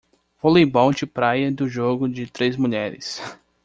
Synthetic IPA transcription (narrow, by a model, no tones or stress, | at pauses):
volejbɔ̃wd͡ʒɪpɾajɐd̪ʊʒoɡʊd͡ʒɪt̪ɾezmuʎɛɾɪ̰s